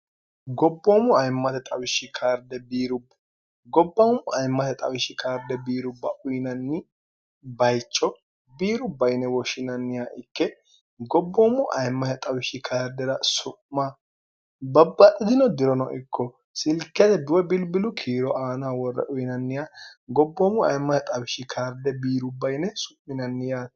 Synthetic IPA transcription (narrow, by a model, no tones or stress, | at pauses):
ɡɔbːomʊɐjmːɐt̪ɛt̪ʼɐwɪʃɪkʰaːɾd̪ɛbiːɾʊbːɐ̥ | ɡɔbːɐmʊɐjmːɐt̪ɛt̪ʼɐ̰wɪʃɪkʰaːɾd̪ɛbiːɾʊbːɐʔʊjnɐnːɪ | bɐjt͡ʃʼːɔ | biːɾʊbːɐjɪnɛwɔʃɪnɐnːɪjaːʔɪkːɛ | ɡɔbːɔmːʊʔɐjmːɐhɛt̪ʼɐwɪʃɪkʰaːɾd̪ɛdɐsʊʔma | bɐbːɐʔɪd̪ɪnɔd̪ɪɾɔnɔ̰ʔɪkːɔ | sɪlkːɛd̪ɛd̪ʊwɛbɪlbɪlʊkʰiːɾɔʔaːnawɔrːɛ̰ʔʊjnɐnːɪjaːɡɔbːɔmʊɐ̰jmːɐhɛt̪ʼɐwɪʃɪkʰaːɾd̪ɛbiːɾʊbːɐjnɛsʊ̥ʔmɪnɐnːɪjaː